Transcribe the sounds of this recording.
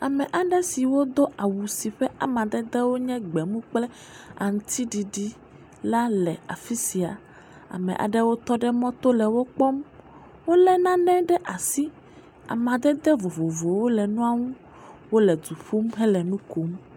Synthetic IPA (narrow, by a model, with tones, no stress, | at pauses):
a˨mɛ̃˨ʔa˨ɖɛ˦si˨wo˦d̪o˦ʔa˨wu˨si˨ɸɛ˦a̰˨mã˨d̪ɛ˦d̪ɛ˦wo˦ɲɛ̃˦ɡ͡bɛ˨mũ˦k͡plɛ˦ | a˨ŋũ˦t̪ʰi˦ɖi˨ɖi˦ | la˦lɛ˨a̰˨fi˦si˨a̰˨ | a̰˨mɛ̰̃˨ʔa̰˨ɖɛ˦wo˦t̪ɔ˦ɖɛ˦mɔ̃˦t̪o˦lɛ˨wo˦k͡pɔ˦m | wo˦lɛ˦nã˦nɛ̃˦ɖɛ˦ʔa˨si˦ | a̰˨mã˨d̪ɛ˦d̪ɛ˦vo˨vo˨vo˨wo˦lɛ˨nũ˦a˦˨ŋũ˦ | wo˦lɛ˨d̪u˨ɸu˦mɦɛ˦lɛ˨nũ˦ko˨˦m